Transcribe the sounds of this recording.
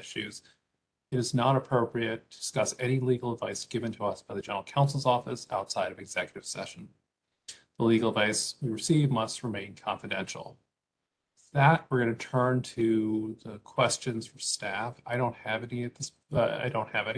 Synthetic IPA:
ɪʃʉ̰z̥ | ɨɾɨznəɾəpʰɹ̥oʊpɹiɨtʰd̥ɨ̥skʌsɛñiliɡl̩ˠədvaɪsɡ̥ɪvɨ̃ntʰəʌsb̥aɪðɨd͡ʒɛ̃nə˞l̩ˠkʰãʊ̃nsl̩ˠzɔfɨsa̰ʊtsaɪɾʌvɨɡz̥ɛkjɨɾɨv̥sɛ̰ʃn̩ | ðəliɡl̩ˠədvaɪswiɹɨsivmʌst̚ɹɨmẽɪ̃nkʰɑ̃nfɨdɛ̰̃nʃl̩ˠ | ðət̚wəɹɡʌnɨtʰɜ̃˞ntʰɨðəkʰw̥ɛst͡ʃɨ̃nz̥fə˞stæfaɪɾõʊ̃nt̚hɨvɛniɨt̪̚ðɪs | a̰ɪdõʊ̃nt̚hɨvɛn

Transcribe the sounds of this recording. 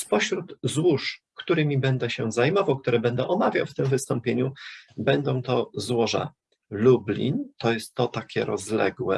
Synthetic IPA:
spɔɕɾud̪zwuʂkt̪uɾɘmʲibɛnd̪ɛɕɛzajmɔvawk̚t̪uɾɛbɛnd̪ɛʔɔmavʲja̰wft̪ɘmvɘst̪ɔ̃mpʲjeɲubɛnd̪ɔ̃w̃t̪ɔzwɔʐa̰ | lublʲḭnt̪ɔjɛst̪ːɔt̪akʲɛ̰ɾɔzlɛ̰ɡwɛ̰

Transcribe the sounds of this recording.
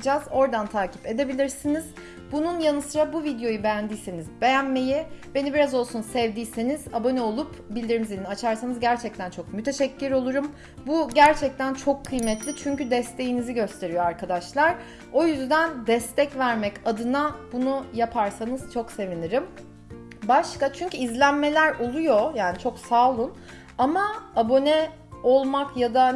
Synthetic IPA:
d͡ʒazo̞ɾd̪ant̪ʰaːcʰi̥pe̞d̪e̞bilʲiɾsiniz̥ | bununjanɯsɯɾabuvid̪jo̞jube̞jænd̪iːse̞nizbe̞jænme̞jib̥e̞nibiɾazo̞lˠsunsɛvd̪iːsenizabo̞nɛolˠup | bilʲd̪iɾmizinnat͡ʃʰaɾsanɯzɟæɾt͡ʃʰɛc̚t̪ʰænt͡ʃʰo̞kmyt̪ʰe̞ʃɛcːyɾo̞lˠuɾum | buɟæɾt͡ʃʰɛc̚t̪ʰænt͡ʃʰo̞kʰːɯjmɛt̪ʰlʲit͡ʃʰyɲcyd̪ɛst̪ʰe̞jiniziɟø̞st̪ʰe̞ɾijoaɾkʰad̪aʃlˠaɾ | o̞jyzd̪ænd̪ɛst̪ʰɛcvæɾmɛcad̪ɯnabunujapʰaɾsanɯz̥t͡ʃʰo̞kse̞viniɾim | baʃkat͡ʃʰyɲcyizlʲænme̞lʲæɾo̞lˠujo̞jaːnit͡ʃʰo̞ksaːlˠun | amaabo̞nɛ | o̞lˠmakjad̪a

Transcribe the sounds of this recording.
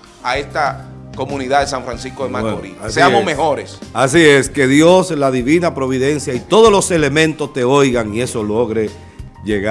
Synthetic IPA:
ae̞st̪a | komuniðaðesaɱfɾansiskoðemaoɾḭseamosmeho̞ɾesas̬ie̞ske̞ðjo̞slaðiβinapɾo̞β̞iðe̞nsjait̪o̞ðoslo̞se̞le̞mẽ̞nt̪o̞st̪e̞o̞jɣaŋie̞so̞lo̞ɣɾe̞ | ʝeɣa

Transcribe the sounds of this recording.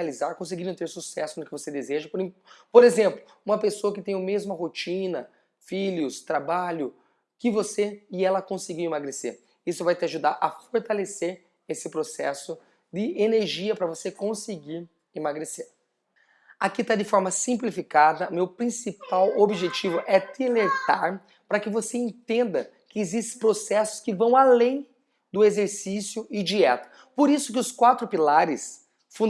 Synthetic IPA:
alizaɾkõs̬ɪɡiñt̪eɾsusɛsʊnʊkɪvosed̪ezeʒɐpoɾĩpoɾezẽmplʊ | ũmɐpesoɐkɪt̪ẽj̃ʊmezmɐɦot͡ʃĩnɐ | fiʎʊst̪ɾabaʎʊ | kɪvoseɪɛlɐkõsɪɡiwimaɡɾesḛɾ | isʊvajt̪ɪaʒud̪aɾʔɐfoɾt̪aleseɾ | esɪpɾosɛsʊ | d̪ɪeneɾʒiɐpɾɐvosekõsɪɡiɾ | emaɡɾeseɾ | akit̪ad̪ɪfɔɾmɐsĩmplifikad̪ɐmewpɾĩsipawobiʒet͡ʃivʊʔɛt̪ilet̪aɾ | pɾɐkɪvoseẽnt̪ẽnd̪ɐ | kɪːzist̪ɪ̃pɾosɛsʊ̥skɪvɐ̃w̃alẽj̃ | d̪ʊezeɾsisjʊɪd͡ʒiɛt̪ɐ̥ | poɾisʊkɪʊskwat̪ɾʊpilaɾɪs | fũ

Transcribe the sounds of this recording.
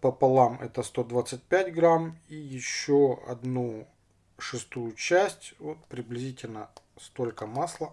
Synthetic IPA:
pəpɐlˠamɛt̪əst̪o̞d̪vat̪sɨt̚ʲpʲætʲɡɾamijɪɕːoɐ̰d̪nu | ʂɨst̪ujʊt͡ɕæsʲtʲvo̞t̪̚pɾʲɪblʲɪzʲitʲɪlʲnə | st̪o̞lʲkəmaslˠə

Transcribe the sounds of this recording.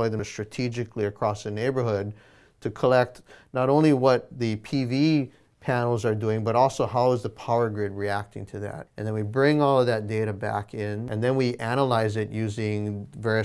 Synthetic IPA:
ɪðɨ̃stɹ̥ɨtʰid͡ʒɨkliɨkʰɹ̥ɔsðɨneɪbə˞ɦʊd̚ | tʰɨkʰəlɛk̚tnəɾõʊ̃nliwʌt̪̚ðɨpʰivi | pʰænl̩ˠzə˞duɪ̃ŋbʌɾɔlˠsoʊɦaʊəzðəpʰaʊə˞ɡɹɪd̚ɹiæk̚tɪ̰̃ŋtʰɨðæ̰ɾ̚ɨ̃nðɨ̃nwibɹɪ̃ŋɔlˠʌvðɨt̚d̥eɪɾɨbæ̰kɪ̃nʔɨ̃nðɨ̃nwiʔæñəlaɪzɪtjʉzɪ̃ŋvɛɹiɨ

